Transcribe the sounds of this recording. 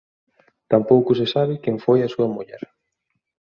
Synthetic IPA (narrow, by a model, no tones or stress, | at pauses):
t̪ampowkʊsɪsaβɪkeɱfojasuɐmuʎɛ̰ɾ